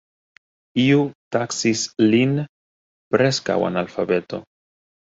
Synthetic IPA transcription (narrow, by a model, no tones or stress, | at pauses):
iutaksislin | pɾe̞ska̰wa̰nalfabe̞t̪o̞̰